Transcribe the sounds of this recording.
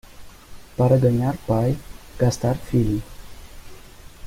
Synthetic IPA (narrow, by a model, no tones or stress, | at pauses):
paɾəd̪ənjarpajɡ̥ast̪arfili